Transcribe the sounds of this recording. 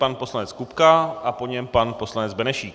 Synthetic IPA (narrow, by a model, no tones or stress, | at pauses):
panpo̞slanɛt͡skupkaʔapo̞ɲɛmpanpo̞slanɛd͡zbɛnɛʃiːk